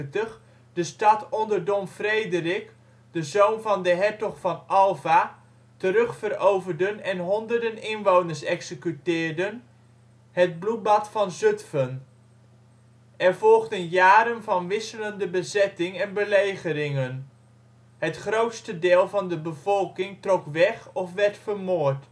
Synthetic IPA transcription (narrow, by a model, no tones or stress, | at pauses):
təχ | dəstɑtɔndəɹdɔmfrejdərɪk | dəzownvɑndəɦɛɹtɔχfɑnʔɑlˠva | təɾɵχfərowvəɹdənɛnɦɔndəɹdənɪnʋownəɹsɛksəkytɪːɹdən | həd̚blubɑtfɑnzɵtfən | ɛɹvɔlˠχdənjaːɾənvɑnʋɪsələndəbəzɛtɪŋɛnbəlejχəɾɪŋən | hətχrowtstədɪːlˠvɑndəbəv̥ɔlˠkɪŋtrɔkʋɛχɔfʋɛɹtfəɹmoːɹt